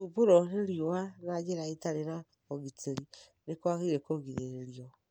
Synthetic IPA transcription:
uboɾɔneɾjoanad͡ʒeɾaetaɾena | koɡitʰeɾi | nekwaɣeɾekoɡiðeɾeɾiɔ

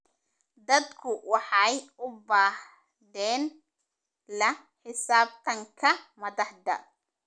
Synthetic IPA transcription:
d̪ɐd̪kʰʊwɑħɑjʊbaːh | ðɛːn | lɐ | ħɪsaːb̚t̪ʰɐŋkʰɐmɐðɑħd̪ɐ̰

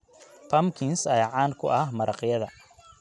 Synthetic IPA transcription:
pʰɐmkʰɪnsɐjʕɑːnkʰʊʔɐhmɐɾɑqjɐðɐ

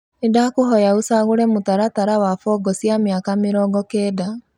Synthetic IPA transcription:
edakoɦɔjaosaɣoɾɛmotaɾataɾawafɔɡɔsjamjakamɪɾɔːɡɔkɛːda

